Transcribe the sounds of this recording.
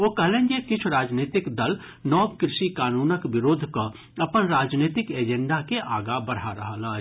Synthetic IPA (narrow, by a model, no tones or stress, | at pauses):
ʋoːkɐɦlẽːnjekɪt͡ʃʰɾaːd͡ʒneːt̪ɪkd̪əl | nɔːbkɾɪʃikaːnuːnəkʋɪɾoːd̪ʱko | ɐpənɾaːd͡ʒneːt̪ɪkeːd͡ʒɛ̃ɳɖakeʔaːɡabɐɽ̤aɾɐɦala